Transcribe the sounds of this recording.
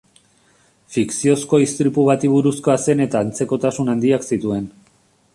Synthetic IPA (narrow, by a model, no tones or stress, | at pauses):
fiksio̞sko̞ist̪ɾipuβat̪iβ̞uɾusko̞ase̞ne̞t̪aːnt͡se̞ko̞t̪asunand̪iaksit̪ue̞n